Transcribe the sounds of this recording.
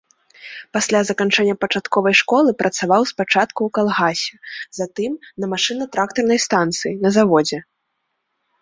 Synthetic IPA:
pasʲlʲazɐkant͡ʂɛnʲːɐpɐt͡ʂat̪kɔvɐjʂkɔlˠɨpɾʔɐt̪savawspat͡ʂat̪kuwkalˠɣasʲɛzat̪ɨmnɐmaʂɨnɐt̪ɾakt̪ɐrnɐjst̪ant̪sɨjinɐzavɔd͡zʲɛ

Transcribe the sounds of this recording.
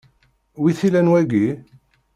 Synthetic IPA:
wiθilænwæɡi

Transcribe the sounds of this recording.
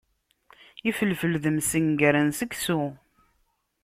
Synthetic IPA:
ifəlfəlðəmsəŋɡəɾənsəɡsu

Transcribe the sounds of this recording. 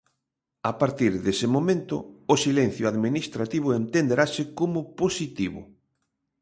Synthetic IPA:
apaɾt̪iɾðesɪmomẽnt̪ʊ̰ʊsilen̟θjʊaðminist̪ɾat̪iβ̞ʊent̪end̪eɾasɪkomʊposit̪iβʊ̰

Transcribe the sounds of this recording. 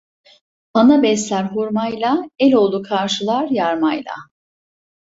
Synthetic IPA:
anabɛslʲæɾɦuɾmajlˠaɛlʲo̞lˠukʰaɾʃɯlˠaɾjaɾmajlˠa̰

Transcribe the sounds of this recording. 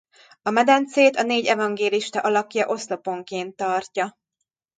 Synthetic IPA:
ɒmɛd̪ɛnt̪seːt̪ɒneːɟɛvɒŋɡeːliʃt̪ɒʔɒlɒkjɒʔo̞slo̞po̞ŋkeːnt̪ːɒrcɒ

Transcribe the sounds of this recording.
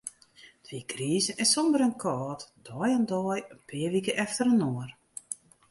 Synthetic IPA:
tʰʋikriːzəʔɛsɔmdəɾənkʰɔːtd̥ɔːjandɔːjənpʰɪːʋikəʔɛftəɾənoːər

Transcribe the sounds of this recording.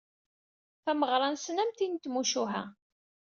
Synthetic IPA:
θæməʁɾˤɑnsnæmt̪int̪muʃuɦæ̰

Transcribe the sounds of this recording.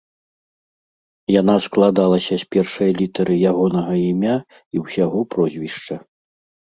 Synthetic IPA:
janasklˠad̪alˠɐsʲɐsʲpʲɛrʂɐjlʲit̪ɐɾɨjaɣɔnɐɣɐimʲa | iwsʲaɣɔpɾɔzʲvʲiʂt͡ʂɐ

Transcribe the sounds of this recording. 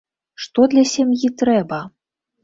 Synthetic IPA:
ʂt̪ɔd̪lʲasʲamjit̪ɾɛbɐ

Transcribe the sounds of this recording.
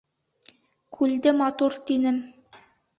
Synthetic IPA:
kʰʉld̪ɘmɑt̪uɾt̪inɘm

